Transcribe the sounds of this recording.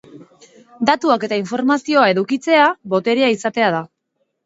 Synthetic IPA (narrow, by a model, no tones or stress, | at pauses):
d̪at̪uake̞t̪aiɱfo̞ɾmasio̞ae̞ðukit͡se̞aβo̞t̪e̞ɾiaisat̪e̞að̞a